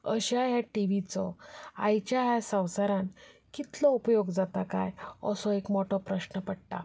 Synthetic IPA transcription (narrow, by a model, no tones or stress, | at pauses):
əɕaɦjaʈiʋit͡sɔa̰jt͡ɕjaɦjasãwsaɾãnkit̪lɔupəjoɡd͡zat̪aka̰jəsɔ̃ekmɔʈʰɔpɾəɕnəpəɽʈa̰